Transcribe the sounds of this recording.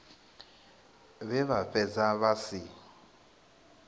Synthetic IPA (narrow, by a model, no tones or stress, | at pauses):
βɛβaɸɛd͡zaβasi